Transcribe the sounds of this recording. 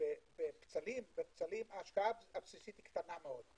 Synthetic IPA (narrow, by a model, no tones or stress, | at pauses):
ebept͡salimvept͡salimaːʃkaababsisit̪i̥kt̪anameo̞d̪